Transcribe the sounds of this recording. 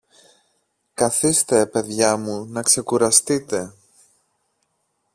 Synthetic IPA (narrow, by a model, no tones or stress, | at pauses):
kɐθist̪e̞pe̞ðʝɐmunɐkse̞kuɾɐst̪it̪e̞